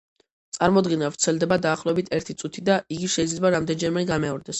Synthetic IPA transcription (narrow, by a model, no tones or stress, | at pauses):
t̪sʼaɾmɔd̪ɡɛnavɾt̪sʰɛlˠd̪ɛbad̪aːχlˠɔɛbit̪ʰɛɾt̪ʰit̪sʼut̪ʰid̪aiɡiʃɛid̪zlɛbaɾamd̪ɛnd͡ʒɛɾmɛɡamɛɔɾd̪ɛs